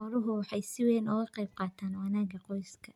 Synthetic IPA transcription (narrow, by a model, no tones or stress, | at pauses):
ɔɾʊɦʊwɑħɑjsɪwɛːnɔɣɐqɛjb̚qɑːt̪ʰaːnwɑnaːɡɐqɔjskʰɐ